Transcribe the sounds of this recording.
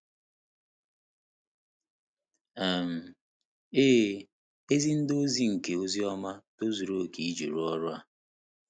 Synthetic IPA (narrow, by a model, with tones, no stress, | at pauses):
e˨m̩˨ | eː˦ | e˦zi˦n̩˦do˦zi˦ŋ̩˨ke˨o˦zi˦ɔ˦ma˦to˦zu˨ɾo˨ki˨i˦d͡ʒu˨ɾu˦ɔ˦ɾʊ˦a˨